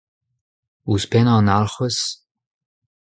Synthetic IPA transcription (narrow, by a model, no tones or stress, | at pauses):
uspɛnɑ̃ːnalχəs